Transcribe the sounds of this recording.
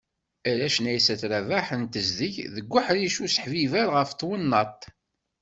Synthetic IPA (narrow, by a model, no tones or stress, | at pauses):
ælæʃnæjsæt͡sɾævaħənt̪əzðəçðəɡʷːʊħɾiʃusə̥ħvivælʁəft̪ːwənːɑt̪ˤ